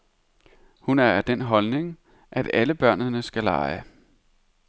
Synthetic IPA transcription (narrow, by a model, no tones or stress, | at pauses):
hunæɐæd̥enɦɒ̽lne̝ŋ | ʔæd̥æləb̥ɶɐ̰nənəsɡ̥ælɑ̰̈ɪə